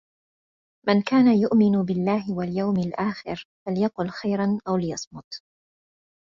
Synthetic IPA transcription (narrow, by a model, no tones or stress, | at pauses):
mɪnkaːnajʊʔmɪnbɪlːaːɦɪwaljawmalʔaːxɪ̰ɾfaljɑqʊlxajɾˤanʔawlɪjɑsˤmʊt̪